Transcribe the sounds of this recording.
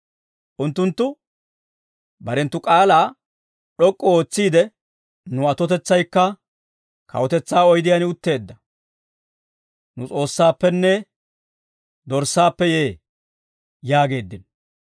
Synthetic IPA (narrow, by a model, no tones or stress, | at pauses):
ʔʊnt̪ːʊnt̪ːʊ | bɐɾɛnt̪ːʊkʼaːlaː | ɗɔkʼːɔo̞ːt͡sːiːd̪ɛ | nʊɐt̪ɔt̪ɛt͡sːɐjkːɐ | kɐ̰wɔt̪ɛt͡sːaːɔjd̪ɪjɐnɪʊt̪ːe̞ːd̪ːɐ | nʊt͡sʼo̞ːsːaːpːɛnːɛ | d̪ɔɾsːaːpːɛjeː | jaːɡe̞ːd̪ːɪn